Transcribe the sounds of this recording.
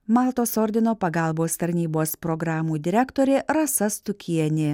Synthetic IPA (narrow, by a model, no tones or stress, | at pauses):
mɑːlˠt̪oːsɔɾʲd̪ʲɪnoːpɐɡɑˑlˠboːst̪ɐɾʲnʲiːboːspɾɔɡɾɑːmuːd̪ʲɪɾʲækt̪oːɾʲeːɾɐsɐst̪ʊkʲiɛnʲe